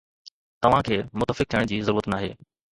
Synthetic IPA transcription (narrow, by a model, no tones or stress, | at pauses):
t̪ɐʋ̤ãkʰeːmʊt̪ːəfɪk̚t̪ʰiəɽ̃d͡ʑiːzɐɾuːɾət̪naːɦḛː